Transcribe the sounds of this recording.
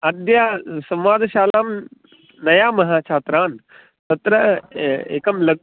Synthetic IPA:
ɐd̪jaːsɐmʋaːd̪ʃaːlaːm | nɐjaːmɐɦaːt͡ʃʰaːt̪ɾaːn | t̪ɐt̪ɾɐḛːkɐmlɐ

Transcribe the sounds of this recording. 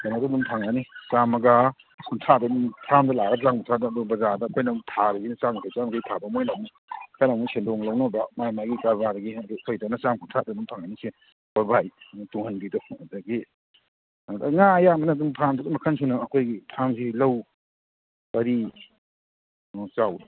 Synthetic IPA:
kanadadumpʰaŋanit͡ʃamɐɡa | kʰuntʰadɐdumpʰamdɐlaɡɐzaŋkʰuntʰadɐduɡbɐzadɐːkʰojnɐtʰaɾɐɡinɐt͡ʃamʰat͡ʃamɡajtʰabɐmojlamu | kʰajnamusendɔŋlɐwnɐbɐmajmajɡikaɾbaɾɐɡiɐdukʰojdanɐt͡ʃamkʰuntʰadɐdumpʰaŋanise | b̥aɾbajtuŋhanbidɔɐdaɡi | da̰ŋaɐjamɐnɐdumpʰamdudumɐkʰɐnsunɐːkʰojɡipʰamsilɐw | ɐɾi | t͡ʃaw

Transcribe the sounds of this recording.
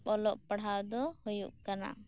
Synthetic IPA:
ɔlɔʔpaɽ̤awd̪ɔhujuʔkana̰

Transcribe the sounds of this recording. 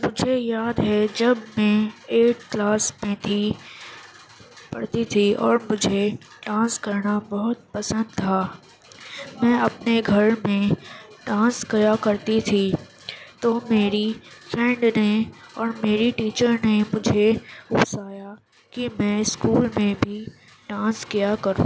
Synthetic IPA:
mʊd͡ʒʱejaːd̪ɦɛd͡ʒɐbmɛ̃eːʈ̚klaːsmẽt̪ʰi | pɐ̰ɽt̪it̪ʰiɔ̰ːɾmʊd͡ʒʱe | ʈãːskɐɾnabɔɦʊt̪̚pɐsə̃nd̪̚t̪ʰaː | mɛ̃ːɐpneɡʱɐɾmẽ | ɖãːskɐjakɐɾt̪it̪ʰi | t̪omeːɾifɾɛ̃ːɳɖneɔːɾmeːɾiʈiːt͡ʃəɾnemʊd͡ʒʱeʊpsaːja | kimɛ̃ɪskuːlmẽbʱi | ɖãːskijakɐɾṵ̃ː

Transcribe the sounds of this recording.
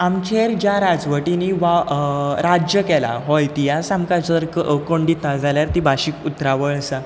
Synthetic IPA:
amt͡ɕʰeɾd͡ʑjaɾad͡zʋəʈiniʋaɾad͡ʑjəkɛla̰ɦojt̪ijasamkat͡ɕəɾkoɳɖiːt̪nad͡zʱaljaɾt̪ibʱaɕiːkut̪ɾaʋəɭəsa

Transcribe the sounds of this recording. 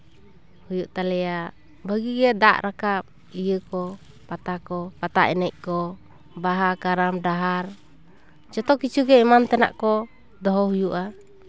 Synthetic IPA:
hujuʔt̪alɛaʔ | baɡiɡɛda̰ʔɾakap̚ | ijəkɔ | pat̪akɔpat̪a̰ʔinɛʔkɔ | baɦakaɾamdaɦar | t͡ʃɔt̪ɔkit͡ʃuɡɛimant̪ɛna̰ʔkɔ | dɔɦɔɦujuʔa

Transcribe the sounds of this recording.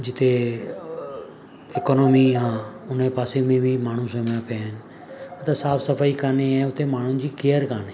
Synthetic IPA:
d͡ʒɪt̪ʰeː | ɪkoːnoːmiːɦãːʊnẽpaːsemẽːbʱiːmaːɳ̤ũsomapjaːɦɪn | ət̪asaːfsəfʰaːiːkaːneɛ̃ːʊt̪emaːɳ̤ʊ̃nd͡ʑiːkeːəɾkaːneː

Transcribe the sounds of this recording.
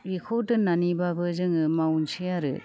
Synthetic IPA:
ɾikʰodɯnanibabɯzɯŋɯmawnsijaɾɯ̰

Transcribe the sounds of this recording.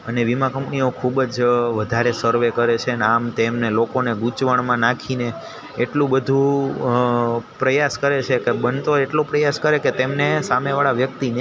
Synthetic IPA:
əneʋimãkə̃mpniokʰubd͡ʒʋəd̪ʱaɾesəɾʋekəɾet͡ʃʰeəneamt̪emnelokoneɡut͡ʃʋəɳmãnakʰineː | ʈlũbəd̪ʱũ | pɾəjaskəɾet͡ʃʰekebənt̪oeʈlõpɾəjaskəɾeket̪emnesameʋaɭaʋjək̚t̪in

